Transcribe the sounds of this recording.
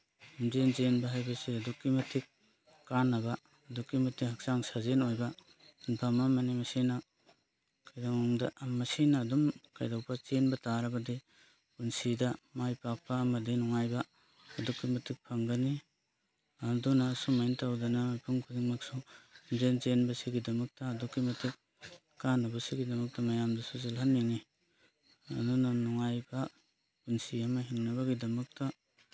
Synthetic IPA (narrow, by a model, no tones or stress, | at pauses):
mzenzenbaɦajbaseɐdukːimɐtʰik̚ː | anːabaː | dukːimɐtʰikɦak̚saŋsazenojba | inpʰamamanimɐsina | kajdawaŋdamɐsinaːdumkajdawpʰat͡ʃenbɐtaɾɐbɐdi | kunsidamajpak̚pamɐdinɔŋajbaː | dukːimɐtʰik̚pʰaŋɡɐni | ɐdunasumajntawdɐnaajpʰuŋkʰuniŋmaksund͡ʒent͡ʃenbɐsiɡidɐmɐk̚tɐːdukːimɐtʰik̚ | kːanɐbɐsiɡidɐmɐk̚tɐmɐjamdɐsuzalɦanːiŋi | ɐ̰nunanɔŋajbɐ | punsiɐmɐɦiŋnɐβɐɡidɐmɐk̚tɐ